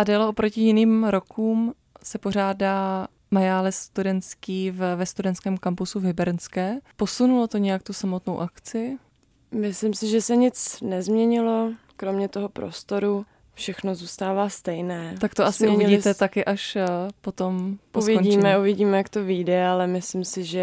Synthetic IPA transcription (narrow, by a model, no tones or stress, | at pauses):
ʔadaːlɛʔopɾocɪjɪniːmɾo̞kʰuːm | sɛpo̞r̝aːdaː | majaːlɛst̪udɛnt̪skiːvvɛst̪udɛnskɛːmkampusuvɦɪbɛɾnskɛːpo̞sunulot̪oɲɛjak̚t̪usamo̞t̪nowʔakt͡sɪɪ | mɪslɪmsɪʒɛsɛɲɪt͡snɛzmɲɛɲɪlo | kɾomɲɛt̪oɦopɾo̰st̪o̞ɾu | fʃɛxnozuːst̪aːvaːst̪ɛjnɛːt̪ak̚t̪oʔasɪuvɪɟit̪ɛt̪akɪʔaʃpo̞t̪o̞movoiːmɛuvɪɟiːmɛjakt̪oviːdɛalɛmɪslɪmsɪʒɛ